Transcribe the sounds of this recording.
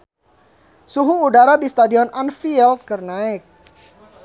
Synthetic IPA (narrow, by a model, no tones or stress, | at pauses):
suɦuːdaɾadist̪adiɔnʔanfiɛld̪̚kərnaɪk̚